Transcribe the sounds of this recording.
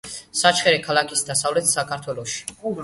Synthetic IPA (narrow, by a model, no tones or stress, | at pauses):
sat͡ʃʰχɛɾɛkʰalˠakʰisd̪asavlɛt̪ʰsakʰaɾt̪ʰwɛlɔʃi̥